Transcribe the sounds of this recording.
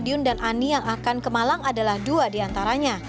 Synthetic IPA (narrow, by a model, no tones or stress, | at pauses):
diʊndanʔanijaŋakankəmalamadalahduadiant̪aɾaɲa